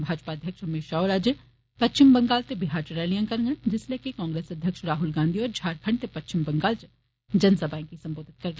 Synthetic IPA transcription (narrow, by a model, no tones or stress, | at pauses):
bʱaːd͡ʒpaːd̪ʱjəkʃɦɐmeːʃaːoːɾaːd͡ʒ | pɐtːt͡ʃɪmbɐ̃ŋɡaːlt̪ebɪɦaːɾt͡ʃɐɾɛːlijãkɐɾŋɡə̃d͡ʒɪsleːkekɔ̃ːŋɡɾeːsɐd̪ʱjəkʃɾaːɦʊlɡãːnd̪ʱiɔːɾd͡ʒʱaːɾkʰəɳɖt̪epɐtt͡ʃɪmbɐ̃ŋɡaːld͡ʒ | d͡ʒɐnsɐbʱaːĩkisɐ̃mboːd̪ʱɪt̪̚kɐɾɡ